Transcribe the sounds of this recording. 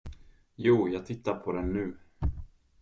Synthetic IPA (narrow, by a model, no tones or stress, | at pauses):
juːjɑːɡ̚t̪ʰɪt̪ːaɾpʰɔd̪ɛnːʉ̟ː